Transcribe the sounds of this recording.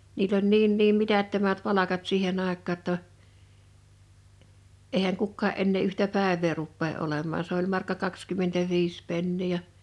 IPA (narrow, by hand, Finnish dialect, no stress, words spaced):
niːlː olʲ niːn niːm mitætːømæt pɑlɑkɑt siːhen ɑˑekˑɑː tːɑ eˑihæŋ kukːɑːʔ ʔenːeː yhtæ pæˑeʋˑeː rupːeː ʔolemːɑː s olʲ mɑrkːɑ kɑkskymːentæʋiːs penːiː jɑ